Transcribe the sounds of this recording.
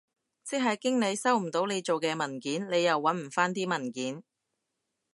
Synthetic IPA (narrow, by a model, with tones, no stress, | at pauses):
t͡sɪ˥k̚ɦɐ˨jkɪ˥ŋne˨˧jsɐ˥wm̩˨˩t̪o˨˥wne˨˧jt͡ʃo˨wkɛː˧mɐ˨˩nkiː˨˥nne˨˧jɐ˨wːɐ˨˥nm̩˨˩faː˥nt̪iː˥mɐ˨˩nkiː˨˥n